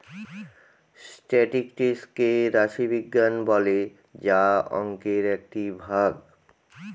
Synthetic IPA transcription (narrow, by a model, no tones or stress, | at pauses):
sʈɛʈikʈeskeɾaʃibiɡːanbɔle | d͡ʑaɔ̰ŋkeɾɛk̚ʈibʱaɡ